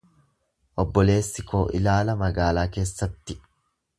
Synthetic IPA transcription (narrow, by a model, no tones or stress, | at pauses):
ʔɔbːɔle̞ːsːɪkʰo̞ːʔɪ̰laːlɐmɐɡaːlaːke̞ːsːɐt̪ːɪ